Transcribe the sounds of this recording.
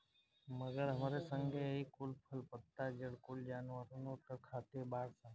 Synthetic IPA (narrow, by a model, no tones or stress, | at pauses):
məɡəɾɦəmaːɾesə̃ŋɡʱeikʊlpʰəlpət̪ːad͡ʒəɽkʊld͡ʒaːnʋəɾonoʈəkʰaːt̪ebaːɽsã